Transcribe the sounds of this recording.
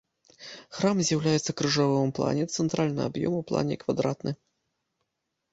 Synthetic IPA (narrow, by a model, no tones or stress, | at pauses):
xɾamzʲjawlʲajɛt̪sːɐkɾɨʐavɔvɨmplˠa̰nʲɛt̪sɛnt̪ɾalʲnɨ̰a̰bjɔ̰muplˠa̰nʲɛ̰kvad̪ɾat̪nɨ